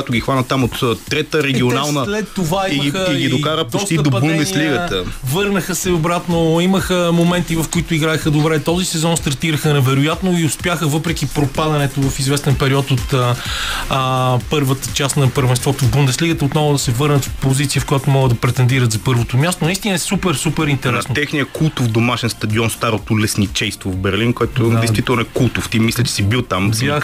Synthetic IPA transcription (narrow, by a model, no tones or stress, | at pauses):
jat̪oʊɡʲixvanət̪ːamot̪t̪ɾɛt̪əɾɛɡʲionalˠnəlɛt̪ːovaiimiəiɡid̪okaɾəp̪oɔsk̪t̪id̪oɐdbunɛd̪ɛsliɡəəvɤɾnəxəsɛobɾat̪noiməxəmomɛnt̪ivɐfkoit̪ʊiɡɾaɛxəd̪obɾɛt̪ɔzisɛzɔnst̪ɐɾt̪iɾəxənɛvɛɾojat̪noiʊspjaxəvɤpɾɛkipɾopad̪ɐnɛt̪ovɐfizvɛst̪ɛnpɛɾiɔt̪ot̪ə | pɤɾvət̪ət͡ʃasnɐpəɾvɛnst̪vɔt̪ovbund̪ɛsliɡət̪əot̪nɔvʊd̪ɐsɛvɤɾnət̪fpozit̪sijəfkojat̪omɔɡəd̪d̪ɐpɾɛt̪ɛnd̪iɾət̪zɐpɤɾvot̪omʲjast̪onɐist̪inəɛsupɛɾsupɛɾint̪ɛɾɛsot̪ɛxnijəkulˠt̪ovd̪omaʃɛnst̪ɐd̪iɔnst̪aɾot̪olɛsnit͡ʃɛjst̪vovbɛɾlinkoɛt̪od̪ɛjst̪vit̪ɛlˠnoɛkulˠt̪oft̪imislʲɛt͡ʃɛ̥sibilˠt̪ama